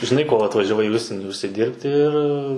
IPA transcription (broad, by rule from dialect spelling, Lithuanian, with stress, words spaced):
ʒʲɪˈnɐɪ koː ɐtʋɐʒʲɛˈʋɐɪ iː ˈʊʃʲsʲiɛnʲiː ʊʃʲsʲɪˈdʲiːrʲpʲtʲɪ ɪr